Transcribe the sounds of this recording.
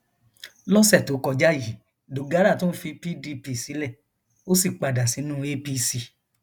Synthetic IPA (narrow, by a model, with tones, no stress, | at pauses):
lɔ˦sɛ˦˨to˨˦kɔ˧˨d͡ʒa˦ji˨˦ | do˨ɡa˨˦ɾa˦˨tõ˦n̩˦fi˧pi˦di˧pi˧˨si˨˦lɛ˦˨ | o˦si˦˨k͡pa˨da˨si˨˦nũ˦e˧pi˧si˨˧˨